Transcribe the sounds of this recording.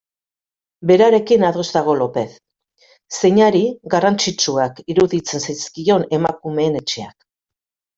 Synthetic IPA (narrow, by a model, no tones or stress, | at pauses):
be̞ɾaɾe̞kinaðo̞zðaɣ̞o̞lo̞pe̞θ | se̞ɲaɾiɣarant͡sit͡ʃuakiɾuðit͡se̞nsajskio̞ne̞makume̞ːne̞t͡ʃe̞ak